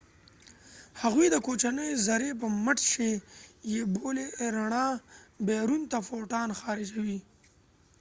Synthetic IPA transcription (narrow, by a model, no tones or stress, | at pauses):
haɣwid̪əkoːt͡ʃanəjzaɾep̬əməʈʃejeboleɾaɳabeːɾunt̪afoːʈɑːnxɑːɾɪd͡ʒawi